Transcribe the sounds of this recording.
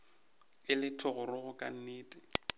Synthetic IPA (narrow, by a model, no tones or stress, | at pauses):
ɪlɪtʰʊɣʊrʊɣʊkʼa̰n̩neːtʼɪ